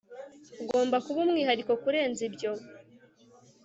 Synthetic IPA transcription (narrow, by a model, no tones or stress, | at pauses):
uɡo̞ːmbakuβumŋiːhaɾiko̞kuɾe̞ːnzibjo̞